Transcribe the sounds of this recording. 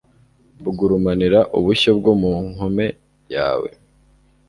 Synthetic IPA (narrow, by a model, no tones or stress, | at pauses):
buɡuɾumaniɾaʔuβuçob̚ɡomuŋ̥ome̞ | ja̰ːwe̞̰